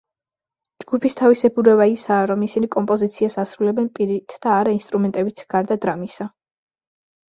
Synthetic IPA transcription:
d͡ʒɡ̥upʰist̪ʰavisɛbuɾɛbaisaːɾɔmisinikʼɔmpʼɔzit̪sʰiɛpsasɾulɛbɛnpʼiɾit̪ʰd̪̥aːɾainst̪ʼɾumɛnt̪ʼɛbit̪ʰɡ̥aɾd̪ad̪ɾamisa

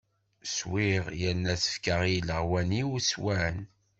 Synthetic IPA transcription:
swiʁjənːæsə̥fkəʁjiləʁwæniuswæn

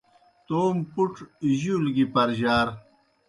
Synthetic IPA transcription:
t̪oːmpuʈʑulɡipɐɾʑaːɾ

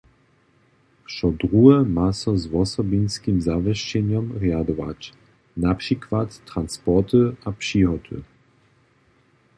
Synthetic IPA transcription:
ʂɔd̪ɾuɛmasɔzwɔsɔbʲinskʲimzavɛʃt͡ɕɛɲɔmʁjad̪ɔva̰t͡ɕ | napʂikvat̪ːɾanspɔt̪ɨapʂiɦɔt̪ʰɨ̰

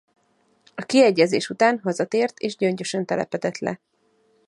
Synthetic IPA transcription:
ɒkiɛɟːɛzeːʃut̪aːnɦɒzɒt̪eːrt̪eːʒɟø̞ɲɟø̞ʃɛnt̪ɛlɛ̰pɛd̪ɛt̪lɛ̰

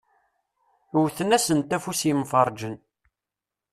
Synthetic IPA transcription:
wθənæsənt̪æfusimfɑɾˤd͡ʒən

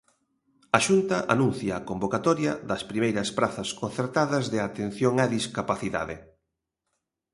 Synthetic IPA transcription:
ɐʃunt̪ɐʔa̰nũn̟θjɐːkombokat̪ɔɾjɐðɐspɾimejɾɐspɾaθɐskon̟θeɾt̪aðɐzðɪat̪en̟θjoŋɐðiskapaθiða̰ðɪ̰

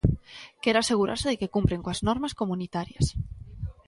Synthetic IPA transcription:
kɛɾaseɣuɾa̰ɾseðɪkekumpɾeŋkoaznɔɾmaskomunit̪aɾjɐ̰s

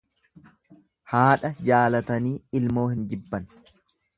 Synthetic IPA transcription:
haːᶑɐd͡ʒaːlɐt̪ɐniːɪlmo̞ːhɪnd͡ʒɪbːɐn

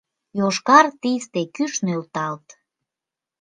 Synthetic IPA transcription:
joʃkɑrt̪ist̪ekyʃnølt̪ɑlt̪

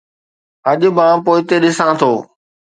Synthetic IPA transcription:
ɐʄʊ̆bãːpoːɪt̪eɗɪsãt̪ʰoː

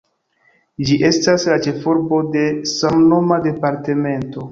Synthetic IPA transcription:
d͡ʒiʔe̞staslat͡ʃe̞fo̞ɾbo̞de̞samno̞made̞paɾte̞me̞nto̞

